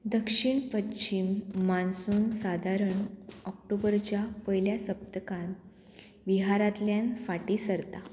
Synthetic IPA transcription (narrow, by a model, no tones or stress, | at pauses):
d̪əkʂiɳpəɕimːansuːnsad̪ʱaɾəɳɔk̚ʈobəɾt͡ɕjapəjljasəbt̪əkãn | ʋiɦaɾat̪ljanfaʈisəɾt̪a